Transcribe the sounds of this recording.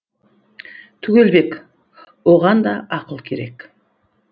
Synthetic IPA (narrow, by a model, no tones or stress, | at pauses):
t̪ʰʏɡʲe̞lbe̞k | wo̞ʁɑnd̪ɑʔɑqəlˠkʲʰe̞ɾe̞k